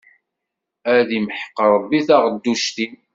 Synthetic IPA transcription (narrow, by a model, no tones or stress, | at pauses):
æðimħə̥qːəɾˤəbːiθɑʁəd̪ːuʃt̪in